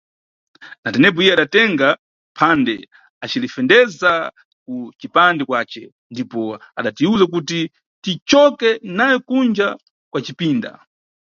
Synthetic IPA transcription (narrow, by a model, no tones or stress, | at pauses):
natɛnɛp̬ɔijɛaɗatɛŋɡa | pʰandɛ | at͡ʃilifɛndɛza | kut͡ʃipandɛkwaːt͡ʃɛ̰ | ndipɔaɗatiuzak̬uti | tit͡ʃɔkɛnajɛkund͡ʒa | kwat͡ʃipiːnda̰